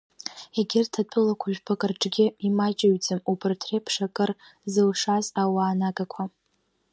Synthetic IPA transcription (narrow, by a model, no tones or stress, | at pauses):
eɡʲɪrtʰat͡pʰʼɨlakʷʰaʒᶣbʰakʼarʈ͡ʂʼɡʲɪimat͡ʃʼaɥd͡zɨmubɨrtʰrepʰʂakʼɨrzɨlʂazawaːnaɡakʷʰa